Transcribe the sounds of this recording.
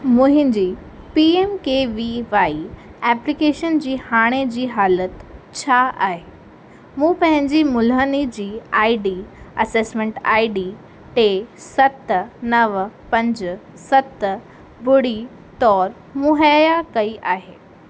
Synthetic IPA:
mʊ̃ɦɪ̃ɲd͡ʑiː | piːeːmkeːʋiʋaːiɛːplɪkeːʃənd͡ʑiːhaːɽ̃ed͡ʑiːɦaːlət̪t͡ɕʰaa̰ːɦeː | mũːpɐ̃ɦɪ̃ɲd͡ʑimʊlɦənid͡ʑiːaːiɖiːɐseːsmẽːɳʈa̰ːiɖiː | ʈeːsɐt̪nɐʋpɐ̃ɲd͡ʑ | sɐt̪ | bʊɽi | t̪ɔːɾ | mʊɦəjakɐiʔaːɦeː

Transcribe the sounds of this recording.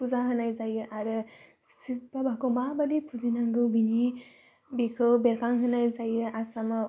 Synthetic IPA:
puzaɦɯnajzajɯʔaɾɯ | sibabʱakɯwmabalipʰuzinaŋɡɯwbini | bikʰɯwbeɾpʰaŋɦɯnajzajɯasama

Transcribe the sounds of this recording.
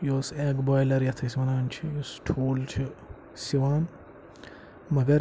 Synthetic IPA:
joseɡbaːjlɐɾjɐt̪ʰɐsmɐnaːnt͡ʃʰijosʈʰoːlt͡ʃʰɪ | siwaːn | mɐɡɐɾ

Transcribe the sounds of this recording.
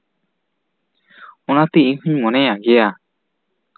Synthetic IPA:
ɔnat̪ɛihuɲmɔnɛjaɡɛja

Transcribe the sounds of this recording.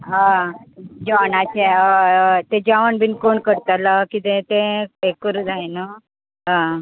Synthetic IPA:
ɦã | d͡ʑanat͡ɕe | t̪ed͡ʑaʋəɳbiːnkoɳkəɾt̪alakit̪ẽt̪ẽekəɾd͡zʱaenə | ɦã

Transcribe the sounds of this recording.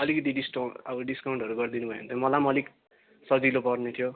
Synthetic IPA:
ʌlikʌt̪̬iɖiskaʌ̰bʌɖiskawɳʈʌɾuɡʌrd̪inubʱʌjḛnt̪ʰjomʌlamʌlik | sʌd͡zilopʌrnet̪ʰijo

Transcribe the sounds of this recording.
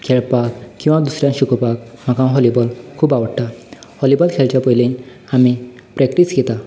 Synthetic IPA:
kʰeɭpakkːĩw̃ʋad̪usɾjãnɕukɔpakm̤akãɦɔlibɔlkʰuːbaʋəɽʈahɔlibɔlkʰelt͡ɕjapəjle | ami | pɾɛkʈisɡet̪a

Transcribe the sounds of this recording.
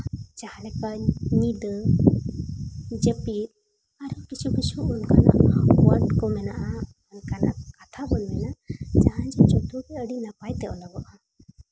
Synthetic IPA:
t͡ʃahlɛkaɲid̪ə | d͡ʒəpit̪ | aɾɔkit͡ʃukit͡ʃuʔunkana̰ʔɔwankɔmɛnaʔaː | nkanaʔkat̪ʰabɔnmɛnaʔd͡ʒahãd͡ʒɔt͡ʃɔt̪ukɛəɖinapajt̪ɛʔɔlɔɡɔʔa

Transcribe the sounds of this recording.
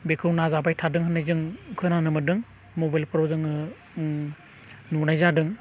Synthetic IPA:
bekʰɯwnazabajtʰadɯŋɦɯnːajzɯŋkʰɯnanɯmɯdɯŋ | mobajlpʰɔɾɔzɯŋɯ | nunajzadɯŋ

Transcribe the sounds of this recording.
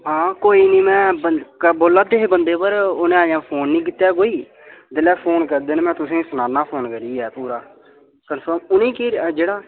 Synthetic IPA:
ɦãːkoːiːnĩːmɛ̃ːbəkəboːlːaːt̪eːeːbənd̪eːpəɾʊnẽːaːjãːpʰoːnːĩːk̬ɪt̪ːjaːk̬oːiː | d̪ɪlɛːpʰoːnkəɾd̪eːnːmɛ̃ːt̪ʊsẽːsənaːnːãːpʰoːnkəɾiːɛːpuːɾaː | kənfʰəmʊnĩːkiːd͡ʒeːɽaː

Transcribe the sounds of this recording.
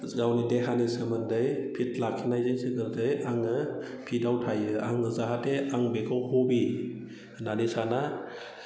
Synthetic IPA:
zawnideɦanisɯmɯndɯjpʰit̚lakʰinajzɯjsɯkɯldɯjaŋɯ | pʰidawtʰajɯaŋɯzaɦateaŋbekʰɔwhɔbi | nanisana

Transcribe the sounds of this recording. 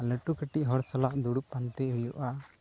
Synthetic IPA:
ləʈukəʈiʔɦɔɽsalaʔd̪uɽupːant̪ɛɦujɔʔa

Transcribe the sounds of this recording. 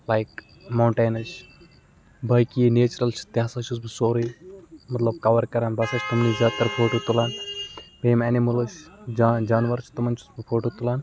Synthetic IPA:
lajk | maɳʈeːnɐt͡ʃ | bɐjkineːt͡ʃɾɐlt͡ʃʰi̥t̪jaasat͡ʃʰus̬bisoːɾimɐt̪lɐb̚kɐʋɐɾkɐɾanbɐsɐt͡ʃʰt̪umnizʲjaːd̪̚t̪ɐɾfʰoːʈot̪ulaːnbeːmɛnimɐlət͡ʃʰd͡ʒad͡ʒaːnʋɐɾt͡ʃʰt̪ɐmɐnt͡ʃʰu̥sbifʰoːʈot̪ulaːn

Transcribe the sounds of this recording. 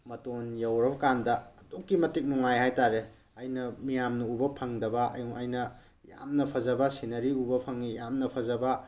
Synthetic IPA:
mɐtonjawɾawkandɐːtukːimɐtik̚nuŋajhajtaɾe | ɐjnɐmijamnɐubɐpʰɐŋdɐbɐɐ̰juŋʔɐjnɐ | ja̰mnɐpʰɐzɐbɐsinɐɾiubɐpʰɐŋijamnɐpʰɐzɐbɐ

